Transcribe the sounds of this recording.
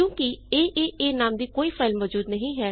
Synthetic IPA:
kjõːkieːʔeːʔeːnaːmd̪iːkoːiːpʰaɪlmʋɔːd͡ʒuːd̪nəɦĩːɦɛː

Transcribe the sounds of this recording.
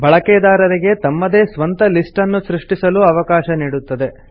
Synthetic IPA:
bʱɐɭɐkɛːd̪aːɾɐɾiɡe̞t̪ɐmːɐd̪eːsʋɐnt̪ɐlisʈɐnːusɾiʂʈisɐluɐʋɐkaːʃɐniːɽut̪ːɐd̪e̞

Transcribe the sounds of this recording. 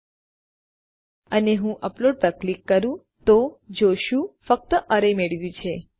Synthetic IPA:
əneɦũʔəploɖ̚pɾəklikːəɾũ | t̪od͡ʒoʃũfək̚t̪əʔəɾəjmeɭʋjũt͡ʃʰe

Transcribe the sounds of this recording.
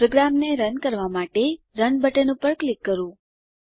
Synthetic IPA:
pɾoɡɾamneɾənkəɾʋamaʈe | ɾənbəʈenũpəɾklikːəɾũ

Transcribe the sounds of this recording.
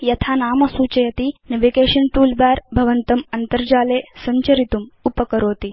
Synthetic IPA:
jɐt̪ʰaːnaːmɐsuːt͡ʃɐjɐt̪inɐʋekeːʃɐnʈuːlbaːɾbʱɐʋɐnt̪ɐmɐnt̪ɐɾd͡ʒaːleːsɐɲt͡ʃɐɾit̪umupɐkɐɾoːt̪i

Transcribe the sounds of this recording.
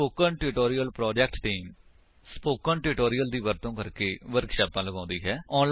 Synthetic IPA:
oːkənʈɪʈoːɾijəlpɾɔːd͡ʒɛːkʈʈiːm | spoːkəɳʈɪːʈoːɾijəld̪iːʋəɾt̪õːkəɾkeːʋəɾkʃaːpãːləɡãːnd̪iːɦɛːɔːnl

